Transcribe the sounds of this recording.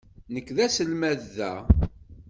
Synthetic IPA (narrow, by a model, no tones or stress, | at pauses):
nəkːðæsəlmæðːæ